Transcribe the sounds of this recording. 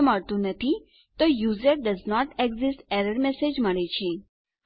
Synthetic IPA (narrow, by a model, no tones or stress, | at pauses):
məɽt̪ũnət̪ʰi | t̪ɔjuːzəɾɖəznɔʈeɡzɪsʈɛɾəɾmɛsed͡ʒməɭet͡ʃʰẽ